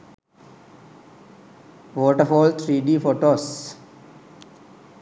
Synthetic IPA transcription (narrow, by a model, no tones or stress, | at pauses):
ʋoːʈəɾfɔːlt̪ʰɾiːɖiːfoːʈoːs